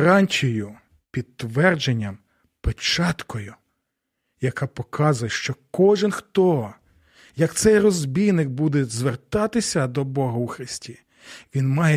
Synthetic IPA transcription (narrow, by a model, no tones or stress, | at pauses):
ɾɑnʲtʲɔjʊ | pʲid̪t̪ːʋɛrd͡ʒenʲːɐm | pet͡ʃɑt̪kɔjʊ | jɐkɑpɔkʰɑzʊjɛʃt͡ʃɔkɔʒɪnxt̪ɔ | jɐkt̪sɛjrɔzbʲijnɪk̚bud̪ɛzʋert̪ɑt̪ɪsʲɐd̪ɔbɔɦɐwxɾɪsʲtʲi | ʋʲinmɑjɛ